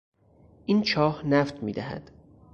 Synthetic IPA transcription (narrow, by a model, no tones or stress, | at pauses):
ʔint͡ʃʰɒːhnæft̪mḭːd̪æhæ̰d̪̥